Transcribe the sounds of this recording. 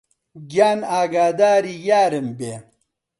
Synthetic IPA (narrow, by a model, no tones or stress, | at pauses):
ɡjaːnaːɡaːd̪aːɾijaːɾembeː